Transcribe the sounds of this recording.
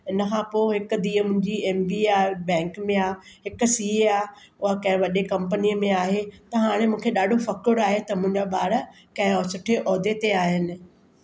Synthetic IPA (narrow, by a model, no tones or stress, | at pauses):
ɪnəkʰãpoːɦɪkʊ̆d̪iːəmʊ̃ɦɪ̃ɲd͡ʑieːmbiaːbɛ̃ːŋkmẽaːɦɪkʊ̆siːeaː | ʊɦakɐ̃ɦɪ̃ʋɐɗekɐ̃mp̬əniːəmẽaːɦet̪ɐɦaːɽ̃emũːkʰeɗaːɖʱofɐkoɾaːɦet̪ɐmʊ̃ɦɪɲ̆d͡ʑaɓaːɽə | kɐ̃ɦɪ̃ɔːsʊʈʰeʔɔːd̪et̪eaːɦɪnɪ̆